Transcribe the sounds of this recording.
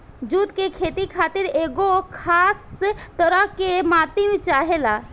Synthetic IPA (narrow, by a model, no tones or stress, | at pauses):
d͡ʒuːt̪kekʰeːt̪ikʰaːt̪iɾeːɡokʰaːst̪əɾəɦkemaːt̪imt͡ʃaːɦela